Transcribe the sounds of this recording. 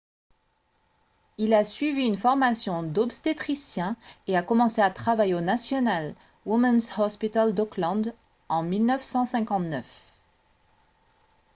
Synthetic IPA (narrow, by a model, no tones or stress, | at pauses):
ilasɥiviːnfɔʁmasjɔ̃d̪ɔpst̪et̪χisjɛ̃eakɔmɑ̃seat̪χavajeonasjɔnal | wumɛnzhɔspit̪ald̪ɔklɑ̃d̪ | ɑ̃milnœfsɑ̃sɛ̃kɑ̃t̪nœf